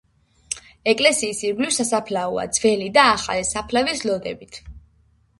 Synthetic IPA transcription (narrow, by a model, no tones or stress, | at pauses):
ɛkʼlɛsiːsiɾɡlivsasapʰlaua̰d̪z̥vɛlid̪aːχa̰lisapʰlavislɔd̪ɛbit̪ʰ